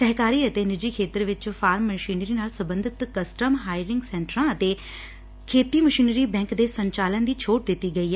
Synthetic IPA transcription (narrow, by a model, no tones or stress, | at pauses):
səɦkaːɾiːət̪enɪd͡ʒiːkʰeːt̪əɾʋɪt͡ʃfʰaːɾmːəʃiːnɾiːnaːlsəbə̃nd̪ʱɪt̪kəsʈəmɦaːɪɾɪ̃ŋɡsɛ̃ːɳʈəɾãət̪eː | kʰeːt̪iːməʃiːnɾiːbɛ̃ːŋkd̪eːsə̃ɲt͡ʃaːlənd̪iːt͡ʃʰoːʈ̚d̪ɪt̪ːiːɡəiːɦɛ